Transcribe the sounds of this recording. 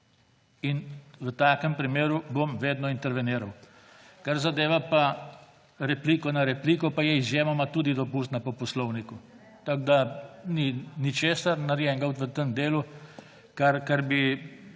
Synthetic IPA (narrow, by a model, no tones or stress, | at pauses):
inʋət̪aːkəmpɾimeːɾubomʋeːd̪nɔint̪ɛɾʋɛniːɾaw | kaɾzad̪eːʋapa | ɾɛpliːkɔnaɾɛpliːkɔpajɛizjeːmamat̪uːd̪id̪ɔpust̪napɔpɔslɔwniku | t̪aɡd̪aninit͡ʃeːsaɾnaɾjɛŋɡawt̪ʋət̪əmd̪eːlu | kaɾkaɾbi